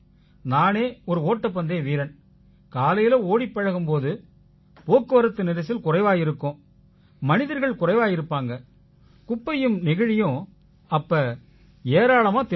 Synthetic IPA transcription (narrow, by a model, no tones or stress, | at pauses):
naːneːɔɾɯoːʈːɐp̬ːɐnd̪eːʋiːɾɐn | kaːlɐjɪlɐoːɽɪpːɐɻɐɣɯmpoːðɯ | poːkːɯʋɐɾɐt̪ːɯnɪɾɐs̬ːɪlkʊrɐɪʋaːjɪɾɯkːõː | mɐnɪðɐɾɣɐɭkʊrɐɪʋaːjɪɾɯpːaːŋɡɐ | kʊpːɐjɯmnɪɣɐɻɪjõː | ɐpːɐ | eːɾaːɭɐmaːt̪ɛ